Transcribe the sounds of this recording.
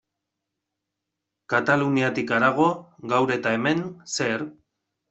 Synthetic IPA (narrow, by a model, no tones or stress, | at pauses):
kat̪aluniat̪ikaɾaɣ̞o̞ɣawɾet̪ae̞me̞nseɾ